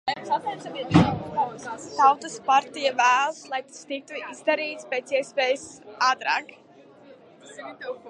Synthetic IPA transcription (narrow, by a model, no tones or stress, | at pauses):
ɛmsat̪ɛsabiɛt̪at̪ast̪awt̪ɨspaɾt̪ijavæːlˠslˠajt̪ḁst̪ik̚t̪uizd̪aɾiːt̪spʲeːt̪siɛspeːjsaːt̪ɾa̰ːk